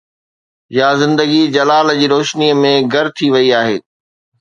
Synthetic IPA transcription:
jazɪ̃nd̪əɡid͡ʑɐlaːld͡ʑiːɾoːʃniːəmẽɡʱɐɾt̪ʰiʋɐiaːɦḛː

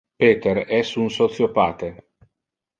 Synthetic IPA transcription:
peːt̪eɾɛsunsot̪sjopaːt̪e

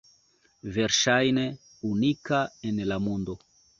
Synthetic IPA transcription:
ve̞ɾʃajne | unikaenlamundo̞

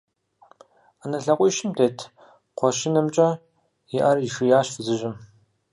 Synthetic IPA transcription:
anɐɬɐqʷʼʊjʃɪmtʰeːtʰ | qʷɔʃɪnɐmt͡ʃʼɐ | ɪʔɐrjiʂɨjaːɕfɨzɨʒɪm

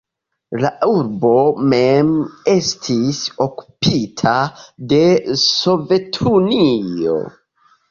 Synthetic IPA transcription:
lauɾbo̞me̞me̞stʰiso̞ku̥pitʰade̞so̞ve̞tʰunio̞̰

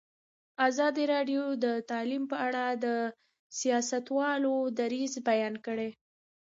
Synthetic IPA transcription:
azɑd̪iɾɑɖjod̪ət̪ɑlimpəaɽad̪ə | sijɑsat̪wɑlod̪aɾizbajɑnkəɽe

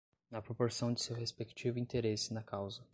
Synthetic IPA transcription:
nɐpɾopoɾsɐ̃w̃d͡ʒɪsewɦespekt͡ʃivʊĩt̪eɾesɪnɐkʰawzɐ

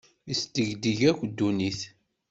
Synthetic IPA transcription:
ist̪əʝd̪iʝækʷd̪ːuniθ

